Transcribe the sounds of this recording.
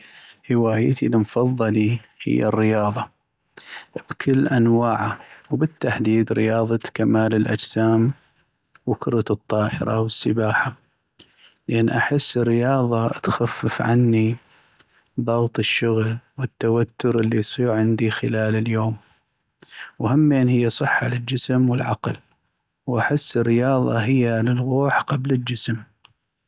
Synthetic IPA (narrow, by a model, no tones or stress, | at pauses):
hɪwaːjt̪ilmfɑðˤːɑlihɪ̰jːa̰rːɪjɑːðˤɑ | b̥kʰɪlːʔanwaːʕawbɪt̪ːaħd̪iːd̪ɾɪ̰jɑːðˤɑt̪kamaːlɪlʔa̰d͡ʒsaːm | wɪkʊɾˤɑt̪ɨt̪ˤːɑːʔɪ̰ɾɑ̰wəsːɪbaːħa | lʔanːʔaħɪsːərːɪjɑːðˤɑt̪xafːɪfʕa̰nːi | ðˤɑːɣt̪ˤəʃːʊɣlwɪt̪ːawat̪ːʊɾʔɪlːijsˤiːɾʕɪnd̪ixɪlaːlɪljoːm | whamːeːnhɪjːasˤɨħːalɪld͡ʒɪsmwɪlʕaql | wʔaħɪsːɪrːɪjɑːðˤɑ̰ɦɪjːalɪlɣuːħqɑblɪld͡ʒɪsm